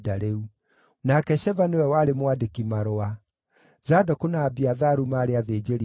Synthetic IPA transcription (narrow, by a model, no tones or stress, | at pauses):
daɾeu | nakɛʃɛvanewɛwaɾemwadekimaɾoa | zadɔkunaːbiaðaɾumaːɾeaðeːd͡ʒeɾi